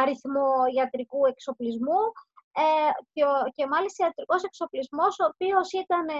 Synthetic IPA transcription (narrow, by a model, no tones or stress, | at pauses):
ɐɾiθmo̞iɐt̪ɾikue̞kso̞plizmue | ce̞mɐlist̪ɐiɐt̪ɾiko̞se̞kso̞plizmo̞soːpio̞sit̪ɐne